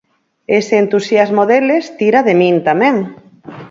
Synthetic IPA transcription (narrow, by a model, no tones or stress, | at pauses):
eseːnt̪usjazmoðelest̪iɾaðemĩnt̪amẽŋ